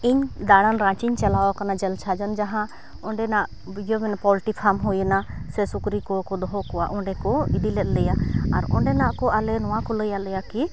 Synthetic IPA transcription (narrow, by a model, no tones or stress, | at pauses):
iɲd̪aɽanɾãt͡ʃiɲt͡ʃɛlawakanad͡ʒɛlt͡ʃʰad͡ʒand͡ʒaɦã | ɔɳɖɛnaʔ | d͡ʒəmɛnapɔlʈipʰamɦujənasɛsukɾikɔkɔd̪ɔɦɔkɔa̰ʔɔɳɖɛkɔid̪ilɛt̪̚ˀləjaaɾɔ̰ɳɖɛnaʔkɔalɛnɔwakɔləjalɛjaki